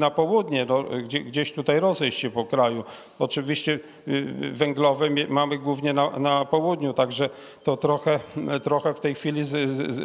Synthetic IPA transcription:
napɔwud̪ɲɛnɔɡd͡ʑɛɡd͡ʑeɕt̪ut̪ajɾɔzɛjɕɕɛpɔkɾaju | ɔt͡ʂɘvʲiɕt͡ɕɛ | vɛŋɡlɔvɛmɛmamɘɡwuvɲɛnanapɔwud̪ɲut̪aɡʐɛ | t̪ɔt̪ɾɔxɛt̪ɾɔxɛft̪ɛjxfʲilʲiz

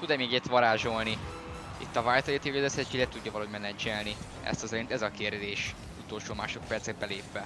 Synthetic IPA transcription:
tud̪ɛmeːɡɛt̪ʋɒɾaːʒo̞lni | it̪ːɒvaːjt̪ɒet̪ioɡozɛsɛt͡ʃilɛt̪uɟːɒvɒlɒɦoɟmɛnɛd͡ʒɛlni | ɛ̰st̪ɒzɛɾent̪ɛzɒkeːrd̪eːʃ | ut̪o̞lʃoːmaːʃo̞k̚pɛrt̪sɛɡ̚bɛleːpʋɛ

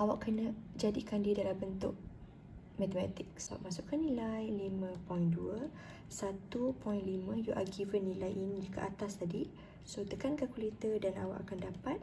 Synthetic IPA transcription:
ʔawa̰ʔkənəd͡ʒadikandidalambənt̪ʊʔ̚ | mɛt̪əmat̪ɪk̚saba̰p̚masʊʔkanːilajlimə̃pɔjnduə | sat̪upɔjnlimə̃juʔa̰ɡivənːilajʔind͡ʒəkə̰ʔat̪ast̪adi | sot̪əkankakulet̪ədana̰wa̰ʔa̰kandapat̪̚

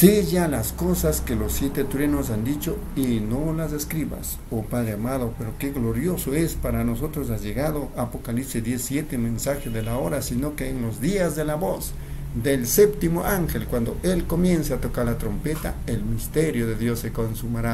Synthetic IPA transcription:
sijalaskosaskelosːjet̪et̪uɾenosand̪it͡ʃo | inolazeskɾiβa̰s | opaðɾeamaðopeɾokeɣloɾjosoespaɾanosot̪ɾos̬asʝeɣaðoapokalipsed̪jesːjet̪emensaxeðelaoɾasinokeːnlozd̪iazd̪elaβos | d̪elsept̪imoʔaŋxelkwand̪o̰ʔelkomjensaat̪okaɾlat̪ɾompet̪a̰elmist̪eɾjoðeðjosːekonsumaɾa

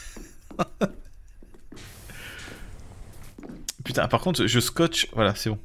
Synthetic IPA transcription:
pyt̪ɛ̰̃paʁkɔ̃t̪χʒəskɔt͡ʃvwalasɛbɔ̃

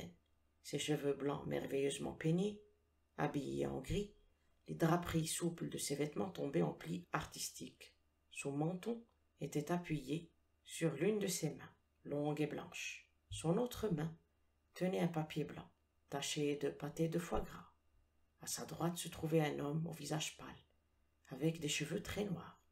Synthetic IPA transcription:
ɛn | seʃəvøblɑ̰̃mʔɛ̰ʁvɛjøzmɑ̰̃pene | a̰bijḛɑ̰̃ɡʁi | led̪ʁapχisupləd̪əsevɛt̪mɑ̃t̪ɔ̃beɑ̰̃pliaʁt̪ist̪ik | sɔ̃mɑ̃t̪ɔ̃ | et̪ɛt̪apɥije | syʁlynd̪əsemɛ̃ | lɔ̃ɡeblɑ̰̃ʃ | sɔ̃not̪χəmɛ̃ | t̪ʰənɛɛ̃papjeblɑ̰̃ | t̪aʃed̪əpat̪ed̪əfwaɡʁa | asad̪ʁwat̪sət̪χuvɛɛ̃nɔmo̰vizaʒpa̰l | avɛkd̪eʃəvøt̪χɛnwa̰ːʁ

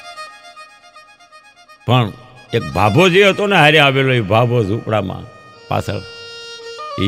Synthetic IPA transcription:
pəɳ | eːk̚bʱaːboːd͡ʒiːət̪onɛɦaɾiaːʋeːloːiːbʱaːboːzuːpɽa̰ːmã̰ː | pa̰ːsə̰ | i

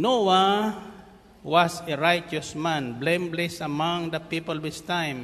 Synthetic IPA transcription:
nowa | waseɹajt͡ʃɔsmãnblẽmblɛsamãŋd̪ɐpipɔlwɪst̪ãjm

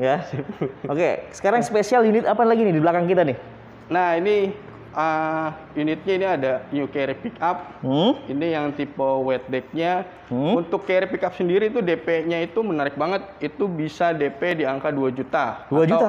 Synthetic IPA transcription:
ɡasokḛsə̥kaɾaŋsə̥pesialjunɪt̪apanlaɡinɪdibəlakaŋkit̪anɪh | nahini | ʔə | junɪt̪̚ɲainiadaɲukerpikap̚inijaŋt̪ipowɛt̪̚dɛt̪̚ɲa | unt̪ʊkːeɾpikap̚səndiɾit̪udepeɲait̪umənaɾɪk̚baŋət̪̚it̪ubisadepediaŋkaduad͡ʒut̪akduaad͡ʒ̪a

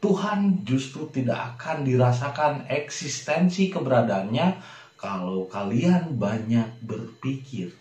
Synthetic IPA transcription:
t̪uɦand͡ʒust̪ɾut̪ida̰ʔakandiɾas̬akanɛksist̪ɛnsikəbəɾadaːnɲa | kalowkalianbaɲak̚bərpikɪr

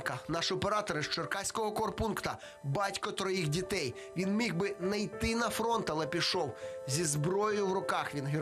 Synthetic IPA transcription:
kɐnɑʃɔpeɾɑt̪ɔɾɪʃt͡ʃɔrkɑsʲkɔɦɔkɔrpunkt̪ɐ | bɑtʲkɔt̪ɾɔjixdʲit̪ɛj | ʋʲinmʲiɣbɪnɐjt̪ɪnɐfɾɔnt̪ɐlˠɛpʲiʃɔwzʲizbɾɔjɔjʊwrʊkɑxʋʲinɦɪ

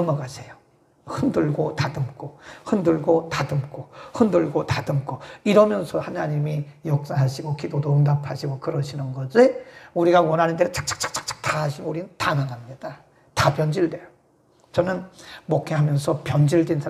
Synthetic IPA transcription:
mʌɡasʰe̞jo | hɯndɯɭɡotadɯmk͈ʰohɯndɯɭɡotadɯmk͈ʰohɯndɯɭɡotadɯmk͈ʰoiɾʌmjʌnsʰʌhanaɲimijok̚s͈aɦaɕʰiɡokidodoɯndapʰaɕʰiɡokɯɾʌɕʰinɯnɡʌd͡ʑeuɾiɡawʌnɦanɯndeɯt͡ɕ͈ḁk̚t͡ɕ͈ḁk̚t͡ɕ͈ḁk̚t͡ɕ͈ḁk̚t͡ɕ͈ḁk̚taɦaɕʰiɡouɾinɯntaŋaŋɦamɲida | tapjʌnd͡ʑiɭdwejo | t͡ɕʌnɯnmokʰeɦamjʌnsʰʌpjʌnd͡ʑiɭdwensʰa

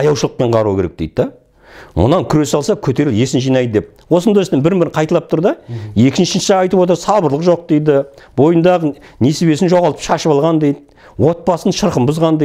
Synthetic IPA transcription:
ɑjɑwʃəlˠəq̚pe̞ɴʁɑɾuwkʲeɾḛkd̪̥ejd̪̚d̪ɑ | mʊ̰nɑŋkʲʰʏɾe̞sɑlˠsɑkʲʰɵt̪e̞ɾɪlje̞sɪnʒijnɑjd̪əd̪ep̚wo̞sənd̪ɑjəst̪enbɪɾɪnmbɪɾɪɴqʰɑjt̪ɑlˠɑp̚t̪ʰʊɾd̪ɑje̞kʲɪnʃɪnʃɪʒɑɑjt̪əpwo̞t̪̬əɾsɑlˠbəɾlˠəqʒo̞q̚d̪e̞jd̪ɪbo̞jənd̪ɑʁəne̞seβe̞sɪnʒo̞ʁɑlˠt̪əpʃɑʃəpɑlˠʁɑnd̪ejd̪ɪ | wo̞t̪̚pɑsənəʃəɾqəmbʊzʁɑnd̪e

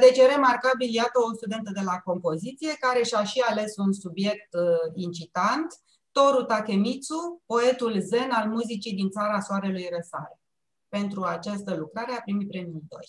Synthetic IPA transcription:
d̪e̞t͡ʃeɾe̞markabiljat̪əost̪ud̪e̞nt̪əd̪e̞lako̞mpo̞zit̪sije̞kaɾe̞ʃʲaʃiale̞sunsubje̞k̚t̪int͡ʃit̪ant̪ː | o̞ɾut̪ake̞mit̪supo̞e̞t̪ulze̞nalmuzit͡ʃid̪int̪saɾasoaɾe̞lujrəsaɾe | pe̞nt̪ɾuat͡ʃast̪əlukɾaɾe̞apɾimitpɾe̞miid̪o̞̰jʲ

